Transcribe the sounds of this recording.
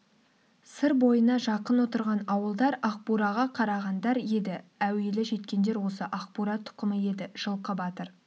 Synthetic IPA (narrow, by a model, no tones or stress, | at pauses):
səɾbo̞jənɑʒɑqənwo̞t̪əɾʁɑnɑwəlˠd̪ɑɾɑq̚puɾɑʁɑqʰɑɾɑʁɑnd̪ɑɾje̞d̪ɪæwe̞lɪʒe̞t̪kʲe̞nd̪e̞ɾwo̞səʔaqpuɾɑt̪ʰʊ̥qəməe̞d̪ɪʒ̥əlˠqəbɑt̪əɾ